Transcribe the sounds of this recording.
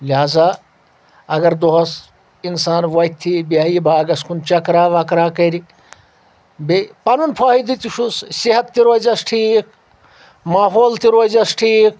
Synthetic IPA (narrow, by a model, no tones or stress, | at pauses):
liɦaːza | ɐɡɐɾd̪oɦɐs | insaːnʋɐjt̪ʰːibiajibaːɡɐskunt͡ʃɐkɾaːʋɐkɾaːkɐɾi | bepɐnunpʰaːɦid̪it̪iʂusseɦɐt̪ːiɾozɐsʈʰik̚ | maːɦoːlt̪iɾozɐsʈʰiːk̚